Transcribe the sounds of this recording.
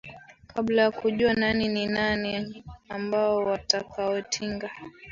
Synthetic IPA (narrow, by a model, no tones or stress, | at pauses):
kʰablajakuʄuananininaniambaɔwatakaɔtʰiŋɡa